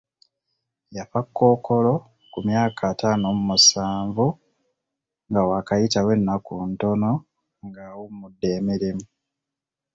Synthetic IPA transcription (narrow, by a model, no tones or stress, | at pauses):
japakːo̞ːko̞lo̞ | kumjaːkʰaːtaːnomumusaːɱvu | ŋɡawakajitawe̞nːakunto̞no̞ | ŋɡawummudːe̞ːmiɾimu